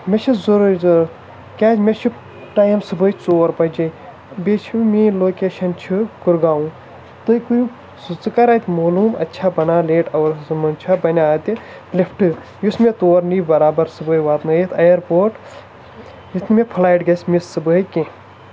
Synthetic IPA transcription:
met͡ʃʰizuɾuɾz | kʲaːd͡ʒmet͡ʃʰi | ʈaːjimsɨbəjt͡soːɾpɐd͡ʒɐ | bet͡ʃʰimĩloːkeːʃɐnt͡ʃʰikuɾɡaːũ | t̪ɨkuju | sut͡sɨkɐɾɐt̪ʲmoːluːmɐ̰tːʃʰabɐnaːleːʈɐːɾzɨmɐnt͡ʃʰabɐnʲaːt̪i | lipʰʈɨ | jismet̪oːɾnibɐɾaːbɐɾsɨbəːjʋaːt̪nɐjit̪ʰɐjɐɾpoːʈ | jit̪nimepʰlaːjʈɡɐsʲmisːɨbəːikẽ

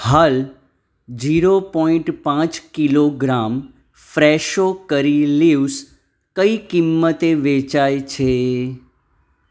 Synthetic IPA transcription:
hal | d͡ʒiɾopɔĩɳʈpãt͡ʃkiloɡɾam | fɾɛʃokəɾilius | kəikimːət̪eʋet͡ʃajt͡ʃʰe

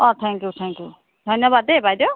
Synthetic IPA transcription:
ɔt̪ʰɛ̃ŋkjut̪ʰɛ̃ŋkju | d̪ʱʌnjəbad̪ebʱajd̪o

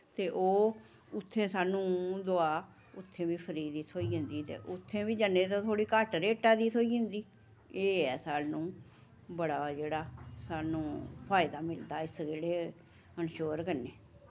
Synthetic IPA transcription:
t̪eːʔoː | ʊt̪ʰːẽːsaːnũːd̪oaː | ʊt̪ʰːẽːʋiːpʰəɾiːd̪it̪ʰoːiːə̃nd̪iːt̪ḛːʔʊt̪ʰːẽːbiːd͡ʒənːẽːt̪ãːt̪ʰoːɽiːkaːʈɾeːʈaːd̪iːt̪ʰoːiːɪ̃nd̪iː | eːɛːsaːlnũː | bəɽaːd͡ʒeːɽaːsaːnũːpʰaːɪd̪aːmɪld̪aːɪsɡeːɽeː | ənʃoːɾkənːeː

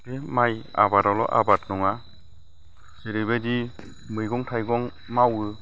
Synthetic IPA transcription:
demaja̰batalɔ̰ʔa̰batnɔŋa | seɾɯbedi | mɯjɡɔŋtʰajɡɔŋ | mawɯ

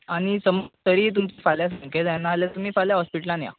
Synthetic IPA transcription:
aɽ̃isəməɡt̪əɾiːt̪umt͡ɕifaljas̬əŋkʰed͡zjanaljat̪umiːfaljaɦɔspiʈəlãnja̰

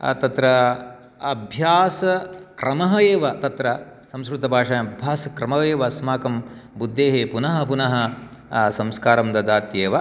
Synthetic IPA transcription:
t̪ɐt̪ɾɐ | ɐbʱjaːsɐkɾɐmɐɦɐeːʋɐt̪ɐt̪ɾɐ | sɐ̃mskɾut̪ɐbʱaːʂaːɐbʱjaːsɐkɾɐmɐeːʋɐsmaːkɐmbud̪ːeːɦepunɐɦɐ̆punɐɦɐ̆ | sɐmskaːɾɐmd̪ɐd̪aːt̪jeːʋɐ

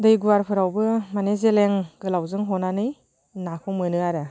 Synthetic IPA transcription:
dɯjɡuwaɾpʰɯɾawbɯmanezeleŋɡɯlawzɯŋɦɔnanɯj | nakʰɔmɯnɯaɾɯ

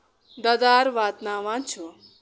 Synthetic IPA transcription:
d̪ɐd̪aːɾʋaːt̪naʋãnt͡ʃʰu

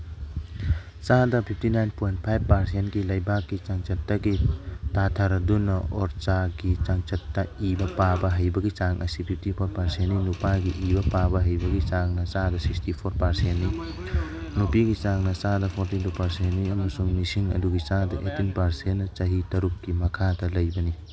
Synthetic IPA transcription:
t͡ʃadɐpʰip̚ʰtinajnpojnt̚pʰajbpːɐɾsentɡilɐjbakːit͡ʃaŋt͡ʃɐtːɐɡitatʰaɾɐdunɐoɾt͡ʃaɡit͡ʃaŋt͡ʃɐtːɐibɐpabɐɦɐjbɐɡit͡ʃaŋʔɐsipʰip̚ʰtipʰoɾpɐɾsentːinupajɡiʔibɐpabɐɦɐjbɐɡit͡ʃaŋnɐt͡ʃadɐsikstipʰoɾpɐɾsenːi | nupiɡit͡ʃaŋnɐt͡ʃadɐpʰoɾtitupɐɾsenniɐmɐsuŋmisiŋɐ̰duɡit͡ʃadɐʔetinpɐɾsenːɐt͡ʃɐɦitɐɾukːimɐkʰadɐlɐjbɐni

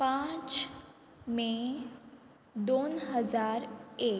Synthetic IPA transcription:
pãːt͡ʃ | mẽ | d̪oːnɦəzaːɾeːk

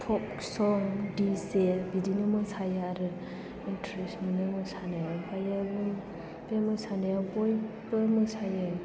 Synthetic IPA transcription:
pʰɔp̚ | sɔŋdisebidinɯmɯsajaɾɯ | intɾesminɯmɯsaneajpʰajabɯn | bemɯsaneabɔj | bɯmɯsaja

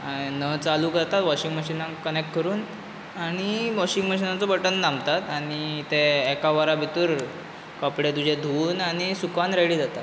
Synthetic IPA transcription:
anət͡saluːkd͡zat̪at̪ʋɔɕiŋɡməɕinãkənek̚ʈ̚kəɾuːn | aɽ̃imɔɕĩŋɡməɕinat͡sɔbəʈənːãmbt̪at̪aɽ̃it̪eːkaʋaɾabʱit̪uːɾ | kɔpɽed̪ud͡ʑʱed̪ʱuːnaɽ̃isukʋanɾeɽiːd͡zat̪at̪

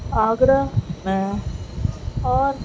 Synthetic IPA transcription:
aːɡɾəmɛ̃ | ɔːɾ

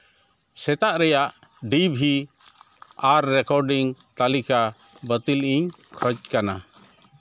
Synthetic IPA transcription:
sɛt̪aʔɾɛjaʔ | ɖibʱi | aɾːɛkɔɾɖiŋt̪alika | bət̪ilʔiɲ | kʰət͡ʃkana

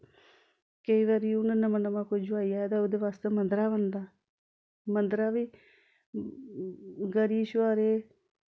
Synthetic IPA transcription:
kəiːʋaːɾiːʊnãnəmãnəmãːkod͡ʒʊaːiːaːed̪aoːd̪eːʋaːst̪eːmə̃nd̪ɾaːʋənd̪aː | mənd̪ɾaːʋiː | ɡəɾiːʃʋaːɾeː

